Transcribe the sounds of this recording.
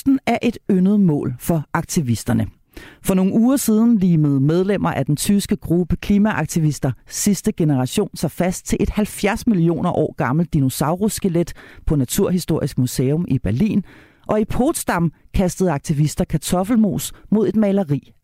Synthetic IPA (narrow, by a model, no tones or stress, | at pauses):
d̥n̩æɐʔe̝d̥ønð̞̩ˠmɔ̰̽ːlfɒ̽ʔɑ̈ɡ̥̚t͡sʰiʋisd̥ɐnə | fɒ̽no̝ːŋ̩uːɐsiːð̞ˠn̩liːməð̞̩ˠmeð̞ˠlem̰ɐʔæd̥ent͡sʰysɡ̥əɡ̥ʁub̥əkʰliːmæʔɑ̈ɡ̥t͡sʰiʋisd̥ɐsisd̥əɡ̥e̝nəʁɑ̈ɕo̝̰ːnsɒfæsd̥̚t͡sʰe̝lʔe̝d̥hælfjæɐsmilio̝̰ːnɐʔɒ̰ːɡ̥ɑ̈ml̩d̥̚ino̝sɑ̈ʊʁosɡ̥eled̥pʰɒ̽næt͡sʰuɐɦisd̥o̝ɐ̰isɡ̥museːɔmʔib̥æɐlḭːn | ʔɒ̽ipʰoːd̥sd̥ɑ̈mkʰæsd̥əð̞̩ˠɑ̈ɡ̥̚t͡sʰiʋisd̥ɐkʰæt͡sʰɒ̽fl̩mo̝̰ːsmo̝ð̞ˠe̝d̥mɛɪlɐʁḭː